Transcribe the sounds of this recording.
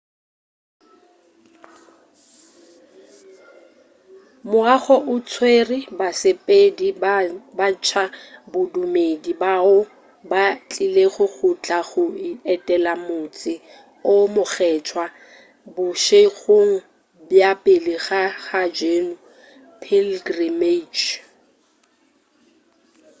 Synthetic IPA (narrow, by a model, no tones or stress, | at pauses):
mʊaɣɔʔʊt͡sʰwerɪbasepʼedibat͡ʃʰabʊdumedibaʊ | bat͡ɬʼileɣʊk͡xʰʊt͡ɬʼaχʊiɛtʼɛlamʊt͡sʼɪ | ʊmʊχɛt͡ʃʰwa | bʊʃeɣoŋ̩ | bjapʼelɪɣaχad͡ʒeːnʊ | pʰilɡrimet͡ʃ